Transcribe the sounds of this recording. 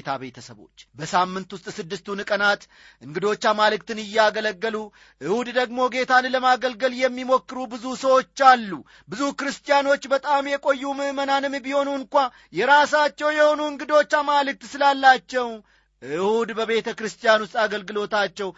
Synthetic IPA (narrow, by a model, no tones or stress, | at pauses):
t̪ʰa̰be̞t̪ʰəsəβo̞̰t͡ʃːbəsamːɨnt̪wʊst̪ʼsɨd̪ːɨst̪unɨkʼənat̪ | ʔɨŋɡɨd̪o̞t͡ʃːamalɨk̚t̪ɨnɨjːaɡələɡːəlu | ʔɨhud̪d̪əɡmo̞ɡe̞t̪ʰanləmaɡəlɡəljɛmːimo̞kːɨɾubɨzusəwo̞t͡ʃːalːu | bɨzukɨɾɨst̪ʼijano̞t͡ʃːbət̪ʼamjɛkʼo̞jːumɨmənanɨmːbiho̞nuɨnkʷa | jɛɾasat͡ʃːɛwjɛho̞nuɨŋɡɨd̪o̞t͡ʃːamalɨk̚t̪sɨlalːat͡ʃːɛw | ʔɨhud̪bəβe̞t̪ʰəkɾɨst̪ʼijanwʊs̬t̪ʼaɡəlɡɨlo̞t̪at͡ʃːɛw